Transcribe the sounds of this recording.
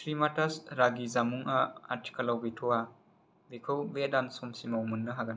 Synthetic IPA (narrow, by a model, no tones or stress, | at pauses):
sɾimatasɾaɡizamuŋaa̰tʰi̥kɐlawbitʰɔwa | bekʰɐwbedansomsimawmunːɐɦaɡɐn